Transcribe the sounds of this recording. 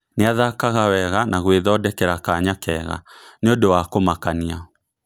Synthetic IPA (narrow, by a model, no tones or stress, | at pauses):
neaðakaɣawɛɣanaɣweðɔdɛkɛɾakaɲakɛɣa̰neondowakomakania